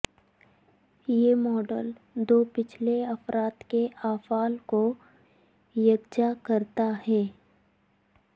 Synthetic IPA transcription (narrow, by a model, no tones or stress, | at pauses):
jeːmɔːɖəl | d̪oːpɪt͡ʃʰleɐfɾaːt̪keʔaːfaːlko | jɐɡd͡ʒakɐɾt̪aɦɛː